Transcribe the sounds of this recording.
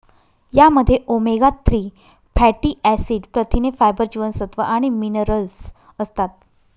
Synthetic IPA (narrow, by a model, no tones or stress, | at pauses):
jaməd̪ʱːjeʔomeɡat̪ːɾiː | pʰæʈiʔæsiːɖpɾət̪ʰinefajbəɾd͡ʑiʋənsət̪ʋəʔaɽ̃iminəɾəls | əst̪at̪̚